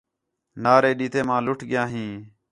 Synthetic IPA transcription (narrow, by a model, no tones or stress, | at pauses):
naːɾeːɗiːt̪eːmãːlʊʈʰɠɪjãːɦĩː